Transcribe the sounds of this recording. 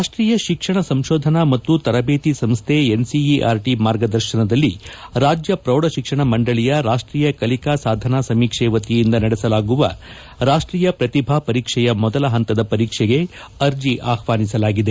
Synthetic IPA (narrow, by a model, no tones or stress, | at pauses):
aːʂʈɾiːjɐʃikʂɐɳɐsɐmʃoːd̪ʱɐnɐmɐt̪ːut̪ɐɾɐbeːt̪isɐmst̪ʰeensiiʔaːɾʈimaːɾɡɐd̪ɐɾʃɐnɐd̪ɐlːiɾaːd͡ʒjɐpɾɐwɽɐʃikʂɐɳɐmɐɳɖɐɭijɐɾaːʂʈɾiːjɐkɐlikaːsaːd̪ʱɐnasɐmiːkʂɛːʋɐt̪ijind̪ɐnɐɽɛsɐlaːɡuʋɐ̰ | ɾaːʂʈɾiːjɐpɾɐt̪ibʱaːpɐɾiːkʂɛjɐmɔd̪ɐlɐɦɐnt̪ɐd̪ɐpɐɾiːkʂɛɡe̞ | ɐɾd͡ʒiʔaːxʋaːnisɐlaːɡid̪e